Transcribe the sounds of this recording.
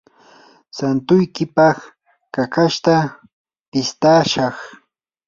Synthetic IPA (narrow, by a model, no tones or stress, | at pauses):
sant̪ʊjkɪpɑχ | kakaʃt̪a | pɪst̪aːʃɑχ